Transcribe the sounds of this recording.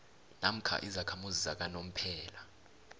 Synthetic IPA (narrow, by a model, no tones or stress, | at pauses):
nam̩kʰa̰ʔizakʰamuzisak̬anom̩pʰɛːla